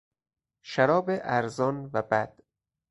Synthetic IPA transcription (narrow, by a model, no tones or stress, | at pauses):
ʃæɾɒːbeʔæɾzɒːnvæbæd̪̥